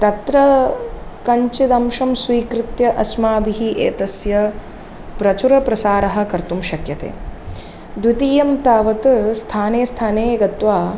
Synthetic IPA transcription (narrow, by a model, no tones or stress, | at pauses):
t̪ɐt̪ɾɐ | kɐɲt͡ʃid̪ɐmʃɐmsʋiːkɾɪt̪jɐʔɐsmaːbiɦiʔeːt̪ɐsjɐ | pɾɐt͡ʃuɾɐpɾɐsaːɾɐɦɐ̆kɐɾt̪umʃɐkjɐt̪ḛː | d̪ʋit̪iːjɐmt̪aːʋɐt̪st̪ʰaːneːst̪ʰaːneːɡɐt̪ʋaː